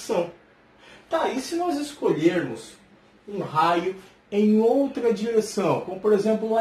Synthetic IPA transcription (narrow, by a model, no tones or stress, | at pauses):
sɐ̃w̃ | t̪aisɪnɔzeskoʎeɾmʊs | ũɦajʊ | ẽj̃owt̪ɾɐd͡ʒiɾesɐ̃w̃kõmʊpoɾezẽmplʊũɐ